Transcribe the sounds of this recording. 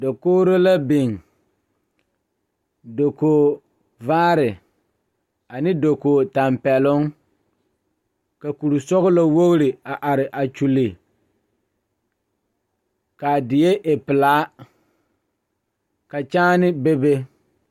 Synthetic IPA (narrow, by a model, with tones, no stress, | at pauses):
da˨koː˦ɾo˦la˦bɪ˨ŋ | do˨koː˨ | vaː˦ɾɪ˨ | a˨nɪ˦do˨koː˨ta˨mpɛ˨lʊ˦ŋ | ka˨ku˨ɾu˨sɔ˦ɣʊ˦la˦˨wo˦ɣɾɪ˨a˨ʔa˨ɾɪ˨ʔa˨t͡ʃu˨li˨ | ka˨dɪ˨je˦ʔe˨pɪ˨laː˨˦ | ka˨t͡ʃaː˦nɪ˦be˦be˦